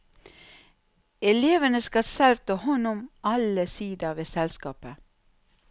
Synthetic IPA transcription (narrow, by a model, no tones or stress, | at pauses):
ɛleːʋənəskɑsɛlʋt̪ʰɑːhɔnʊmʔɑləsiːd̪əʋeːsɛlskɑːpə